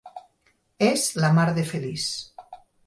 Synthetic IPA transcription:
ezlamaɾðefelis

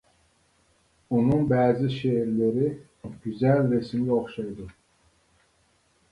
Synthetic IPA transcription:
unuŋbæːziʃeɾleɾi | ɟyzælːesimlioχʃɑjd̪u

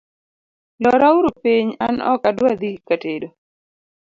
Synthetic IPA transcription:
lɔɾauɾupiɲanɔ̰kadwad̪ikatedo

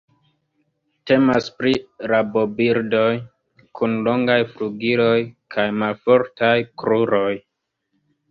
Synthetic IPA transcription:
te̞maspɾiɾabo̞biɾdo̞j | kʰunlo̞ŋɡajfluɡilojkʰajmalfo̞ɾtajkɾuɾo̞j

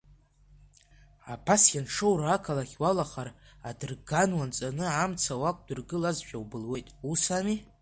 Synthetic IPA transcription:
apʰasjʲanʈ͡ʂʰowrakʰalaχʲwalaχaɾ | adɨrɡanwant͡sʼanɨamt͡sʰawakʷʼdɨrɡɨlazʒᶣawbɨlwe̞jtʼusami

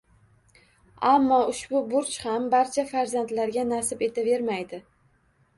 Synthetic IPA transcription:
amːɒʊʃbʊbʊɾt͡ʃhambaɾt͡ʃʰafaɾzant̪laɾɡʲanasɪpe̞t̪ʰave̞ɾmajd̪ɪ

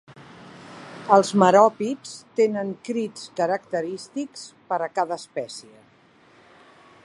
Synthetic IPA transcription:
əlˠzməɾɔpit͡st̪enəŋkɾit͡skəɾəkt̪əɾist̪ikspəɾəkaðəːspɛsiə

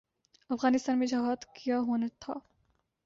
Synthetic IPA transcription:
ɐfɣaːnɪst̪aːnmẽd͡ʒɐɦaːd̪kijaɦoːnat̪ʰa̰ː

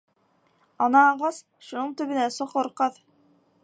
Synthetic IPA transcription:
ɑnɑːʁɑs | ʃunɤɴt̪ɵ̆βɘ̆næsoqŏɾqɑð

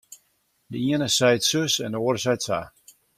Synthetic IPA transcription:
dəiənəsɛjtsøsɛndəoːəɾəsɛjtsa

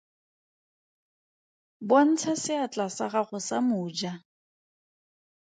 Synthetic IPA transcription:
bon̩t͡sʰasɪat͡ɬʼasaɣaɣʊsamʊːd͡ʒa

